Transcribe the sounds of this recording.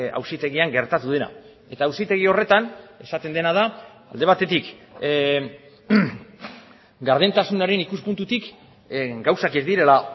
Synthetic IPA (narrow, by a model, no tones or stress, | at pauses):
a̰wsit̪e̞ɣiaŋɡe̞ɾt̪at̪uðe̞na̰ | e̞t̪aːwsit̪e̞ɣ̞io̞re̞t̪ane̞sat̪e̞nd̪e̞nað̞a | a̰ld̪eβat̪e̞t̪ik | ɡaɾðent̪asunaɾe̞nikuspunt̪ut̪ik | ɡawsakezd̪iɾe̞la